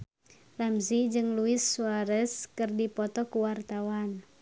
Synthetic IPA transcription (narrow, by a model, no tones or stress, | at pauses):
lamzid͡ʒɨŋluɪsːuaɾəskɨrdipɔt̪ɔkuwart̪awan